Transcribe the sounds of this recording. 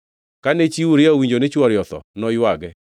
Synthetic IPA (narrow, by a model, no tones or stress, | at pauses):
kanet͡ʃiuɾɪaowiɲd͡ʒonet͡ʃwɔɾjɔt̪ɔ̰nɔjwaɡɛ